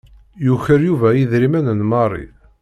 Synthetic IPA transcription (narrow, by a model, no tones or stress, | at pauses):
juçəɾjuvæjiðɾimænənmɑrˤːḭ